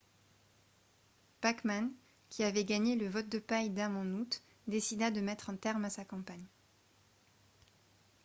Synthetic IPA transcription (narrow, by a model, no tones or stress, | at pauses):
pakman | kʲʰiavɛɡaɲeləvɔt̪̚d̪əpajd̪amɑ̃nut̪ | d̪esid̪ad̪əmɛt̪χɑ̃t̪ɛʁmasakɑ̃paɲ